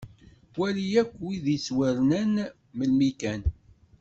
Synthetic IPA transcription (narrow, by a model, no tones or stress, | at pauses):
wælijækʷːwiðiswəɾnæn | məlmikæn